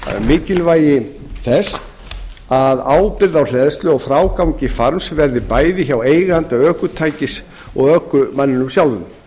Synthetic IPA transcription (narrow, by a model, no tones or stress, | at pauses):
mɪːcɪlvaːjɪ | θɛs | aðaːwpɪɾðawlɛðst̪lʏɔɣfɾaːwkawɲcɪfaɾmsvɛɾðɪpaːjðɪçaweːjɣant̪aœːhkʏt̪ʰaːjcɪs | ɔ̰ɣœːkʏmanːɪnʏmsjawlʏn